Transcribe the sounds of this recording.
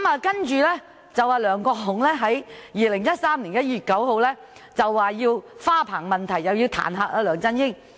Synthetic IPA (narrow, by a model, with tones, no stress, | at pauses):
maː˨˧kɐ˥nt͡ʃyː˨˧lɛː˥ | t͡sɐ˨waː˨˧lœː˨˧ŋkɔː˧ɦʊ˨˩ŋlɛː˥ɦɐ˨˥jjiː˨˧lɪ˨˩ŋjɐ˥t̚saː˥mliː˨˩njɐ˥t̚jyː˨t̚kɐ˨˥who˨˧wlɛː˥ | t͡sɐ˨wːaː˨˧jiː˧wfaː˥pʰaː˨˩ŋmɐ˨˩nt̪ʰɐ˨˩jjɐ˨˩wjiː˧wt̪ʰa̰ː˨˩nɦaː˧k̚ʔaː˧lœː˨ŋt͡sɐ˥njɪ˥ŋ